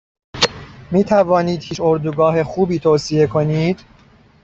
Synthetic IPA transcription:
miːt̪ʰævɒːniːd̪hiːt͡ʃʰoɾd̪uɡɒːɦexuːbiːt̪ʰoːsie̞kʰoniːd̪̥

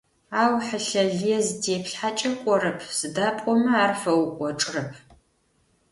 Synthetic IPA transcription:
aːwħəɬɐɮjɛzdeːpɬħat͡ʃʼɐkʷʼɔɾɨpʰz̥ɨdaːpʼɔmɨaːrfɐwʔʷʼɔʈ͡ʂʼrɨpʰ

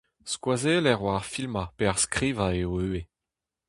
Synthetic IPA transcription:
skwazeːlɛʁwaʁfilmapeaʁskχiːvaeoøːe

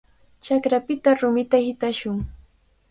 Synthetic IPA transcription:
t͡ʃakɾapɪt̪aɾʊmɪt̪ahɪt̪aʃʊŋ

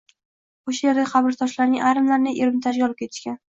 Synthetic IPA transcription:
oʃajeɾd̪aqʰɑbɪɾt̪ʰɒʃlaɾnɪŋʔajɾɪmlaɾnɪʔeɾmt̪ʰaʃɡʲaɒlɪp̚kʲe̞t̪ʰɪʃkʲan

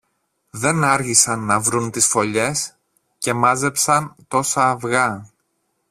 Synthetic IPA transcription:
ðe̞nɐɾçisɐnːɐvɾunt̪isfo̞ʎe̞s | ce̞mɐze̞psɐnt̪o̞sɐːvɣɐ

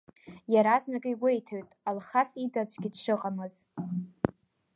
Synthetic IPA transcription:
jaɾaznaɡʼajɡʷe̞jtʰojtʼalχasidat͡ɕʷʰʼɡʲidʂɨqʼamɨz

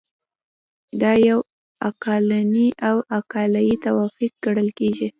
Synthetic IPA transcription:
d̪ɑjaw | akɑlaniʔawakɑlajit̪awɑfik̚ɡ̥aɽəlkeʒi

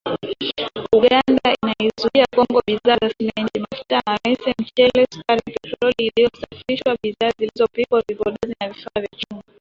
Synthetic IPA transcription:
uɠandainaizuiakɔŋɡɔɓiðaɾasimɛntimafu̥tamaɾaisɛm̩t͡ʃɛlɛskaɾipɛtɾɔliːlijɔsafiiʃwazɓiðailizɔpikwaviɓɔɗɛzinavifaːvjat͡ʃuma

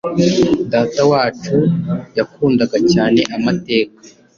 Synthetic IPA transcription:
daːtawaːt͡ʃujakuːndaɡacaːne̞ʔamate̞ːkḁ

